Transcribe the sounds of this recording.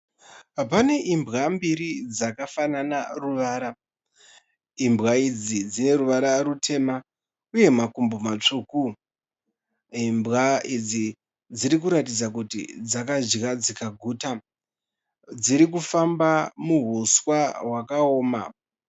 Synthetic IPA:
pane̞ʔimbɣambiɾid͡zakafananaruʋaːɾa | imbɣaid͡zid͡zine̞ɾuʋaɾarutʰe̞ma | uje̞makumbomat͡ʂuku | imbɣaid͡zi | d͡ziɾik̬uɾatid͡zak̬utḭd͡zakaʒɣad͡zikaɡʱuːta | d͡ziɾik̬ufambamuɦuswaɦwakaoːma̰

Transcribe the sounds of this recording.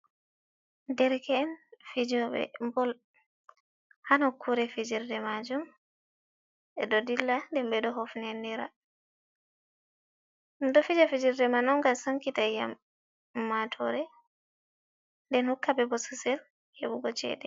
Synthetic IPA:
dɛɾkɛːnfid͡ʒɔbɛ̰mbɔl | hanɔkʰuɾɛfid͡ʒiɾdɛmad͡ʒum | ʔɛɗɔdilːandɛmbɛɗɔɦɔfnɛndiɾa̰ | dɔfid͡ʒafid͡ʒiɾdɛmanɔmɡamsaŋkitaja̰mː | atʰɔ̰ɾɛ | ndɛnhukːabɛbɔsusɛl | hḛɓuɡɔt͡ʃɛ̰dɛ

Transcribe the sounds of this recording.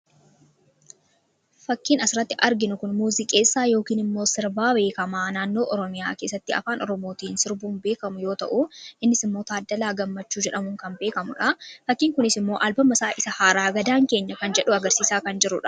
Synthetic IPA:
fɐkːiːnɐsɪɾɐt̪ːɪʔɐɾɡɪnʊkʊnmuːzɪkʼe̞ːsːaːjo̞ːkiːnɪmːo̞ːsɪɾbaːbe̞ːkɐmaːnaːnːo̞ːʔɔɾɔmɪjaːke̞ːsːɐt̪ːɪɐ̰faːnɔɾɔmo̞ːt̪iːnsɪɾbuːnbe̞ːkɐmʊjo̞ːt̪ɐ̰ʔuʔɪnːɪsɪmːo̞ːt̪aːd̪ːɐlaːɡɐmːɐt͡ʃːuːd͡ʒɛᶑɐmʊŋkɐmbe̞ːkɐmʊᶑɐfɐkːiːŋkʊnɪsɪmːo̞ːʔɐlbɐmɐsaːʔɪsɐhaːɾaːɡɐd̪aːŋke̞ːɲːɐkɐnd͡ʒɛᶑʊɐɡɐɾsiːsaːkɐnd͡ʒɪɾʊᶑɐ̥

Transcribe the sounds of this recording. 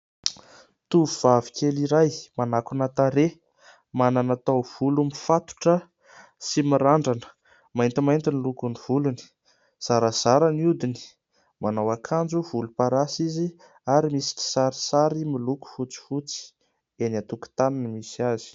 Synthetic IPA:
t̪uuv̥avi̥kʰeliɾajmanakunat̪aɾe | mananat̪awv̥ulumifat̪u̥ʈ͡ʂə | simiɾaɳɖ͡ʐanə̥ | majnt̪imajnt̪inilukuniv̥uluni̥ | z̥aɾəz̥aɾəniud̪ini̥ | manawakʰand͡ʒuvulupaɾasizi | aɾimisi̥kʲi̥saɾisaɾimiluku̥fut͡si̥fut͡si̥ | enat̪uku̥t̪ananəmisiazi̥

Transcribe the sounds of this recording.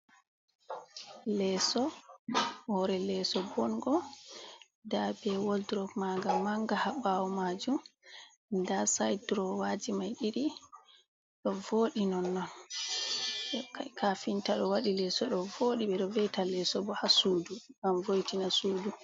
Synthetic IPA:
lɛsɔ | hɔɾɛlɛsɔbɔnɡɔ | dabɛwoldɾɔɡmaɡamaŋɡahabawɔmad͡ʒum | dasajdɾɔwad͡ʒimajɗiɾi | ɗɔvoːɗinɔnːɔn | akafintaɗɔwaɗilɛsɔɗɔvoɗiɓɛɗɔvɛjtalɛsɔbɔhasuːduɡamvojtinasuːdu

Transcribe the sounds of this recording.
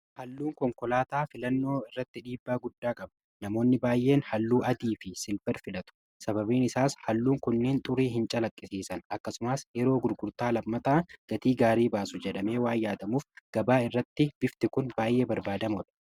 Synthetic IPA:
hɐlːuːŋkɔŋkɔlaːt̪aːfɪlɐnːo̞ːɪrːɐt̪ːɪᶑiːbːaːɡʊd̪ːaːkʼɐb | nɐmo̞ːnːɪbaːjʔe̞ːnhɐlːuːʔɐd̪iːfɪsɪlfɛɾfɪlɐt̪ʊ̥ | sɐbɐbiːnɪsaːshɐlːuːŋkʊnːe̞ːnt̪ʼʊɾiːɦɪnt͡ʃʼɐlɐkʼːɪsiːsɐnɐkːɐsʊmɐsjɛɾo̞ːɡʊɾɡʊɾt̪aːlɐmːɐt̪aːɡ̥ɐt̪iːɡaːɾiːbaːsʊd͡ʒɛᶑɐme̞ːwaːjːaːt̪ɐmuːfɡ̥ɐbaːɪrːɐt̪ːɪb̥ɪft̪ɪkʊnbaːjʔe̞ːbɐɾbaːd̪ɐmɔᶑɐ̥

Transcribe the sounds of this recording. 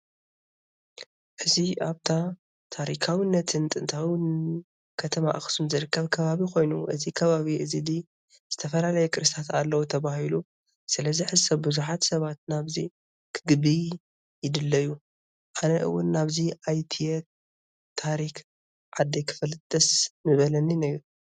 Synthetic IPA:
ʔɨziʔaβt̪ʰa | t̪ʰaɾikʰawinːɐt̪ʰɨnt̪ʼɨnt̪ʰawɪn | kʰɐt̪ʰɐma̰ʔxsumzɨɾɨkʰːɐβkʰɐβaβikʰo̞jnuʔɨzikʰɐβaβiʔɨzid̪i | z̥ɨt̪ʰɐfɐlalɐjɛkʰʼɨɾɨst̪ʰat̪alːɐwut̪ʰɐβahilu | sɨlɐziħɨsɐβbɨzuħat̪sɐβat̪̚naβzi | kʰɨɡɨβi | jɪd̪ɨlːɐjːu | ʔanɐʔɨ̰wːʊnːaβziʔajt̪ʰijɛ | t̪ʰaɾik | ʕad̪ːekʰɨ̥fɐlɨt̪ʼːɐsnɨβɐlɐninɐɡɾ

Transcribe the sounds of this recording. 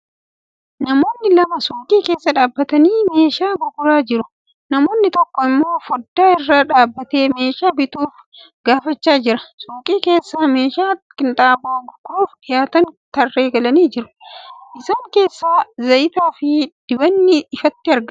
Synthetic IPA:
nɐmo̞ːnːɪlɐmɐsuːkʼiːke̞ːsːɐᶑaːbːɐt̪ɐniːme̞ːʃaːɡʊɡʊɾaːd͡ʒɪɾʊ | nɐmo̞ːnːɪt̪ɔkːɔɪmːo̞ːfɔd̪ːaːɪrːaːᶑaːbːɐt̪e̞ːme̞ːʃaːbɪt̪uːf | ɡaːfɐt͡ʃːaːd͡ʒɪɾɐ̥suːkʼiːke̞ːsːaːme̞ːʃaːkɪnt̪ʼaːboːɡʊɡɾuːfɪjaːt̪ɐnt̪ɐrːe̞ːɡɐlɐniːd͡ʒɪɾʊ̥ʔɪsaːŋke̞ːsːaːzɐʔɪt̪aːfɪd̪̥ɪbɐnːɪːfɐt̪ːɪɐɾɡɐ

